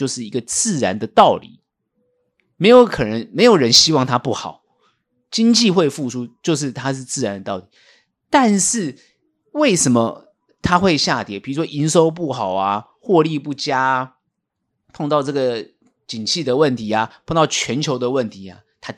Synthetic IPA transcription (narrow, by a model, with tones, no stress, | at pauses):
jo˥˧ʊʂɻ̩˥˩i˧˦ɡə˧t͡sɹ̩˥˩ɻa˧˦nd̪ə˨t̪ɑ˥˩ʊlḭ˨˩˦ | me˧˥ɪjo˧˥ʊkʰɤ˨˩nə˧˥ŋme˧˥ɪjo˨˩ʊɻə˧˦nɕi˥wɑ˥˨ŋt̪ʰa˦pu˥˩xɑ˨˩˦ʊ | t͡ɕi˦ŋt͡ɕi˥˧xwe˥˧ɪfu˥˩ʂʰu˥t͡ɕjo˥˧ʊʂ̬ɻ̩˥˩t̪ʰa˥ʂɻ̩˥˧t͡sɹ̩˥˩ɻa˧˦nd̪ə˧t̪ɑ˥˩ʊt̪i˨˩˦ | t̪a˥˧nʂɻ̩˥˩ | we˥˩ɪʂə˧˥nmə˦ | t̪ʰa˥xwe˥˧ɪɕja˥˩t̪jɛ˨˩pi˨˩ɻu˧˥ʂwɔ˥ʔi˧˥nʂo˥ʊp̬u˥˩xɑ˨˩ʊa˦ | xwɔ˥˧li˥˧pu˥˩t͡ɕja˥ | pʰɑ˥˧ŋt̪ɑ˥˧ʊʈ͡ʂɤ˥˩ɡə˩ | t͡ɕi˨˩ŋt͡ɕʰi˥˩d̪ə˩wə˥˩nt̪ʰi˧˥a˩pʰɑ˥˧ŋt̪ɑ˥˨˩ʊt͡ɕʰɥɛ˧˦nt͡ɕʰjo˧˥ʊd̪ə˧wə˥˨˩nt̪ʰi˧˥a̰˩t̪ʰa˥